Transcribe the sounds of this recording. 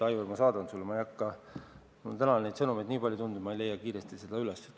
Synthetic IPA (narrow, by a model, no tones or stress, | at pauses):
ɑjuemɑsɑːd̪̥ɑnt̪sulːemɑjɑkːɑ | ṵt̪ænɑne̞jd̪sɤnumejd̪niːpɑlʲjut̪und̪umɑejle̞jːɑkiːɾest̪ise̞d̪̥ɑyles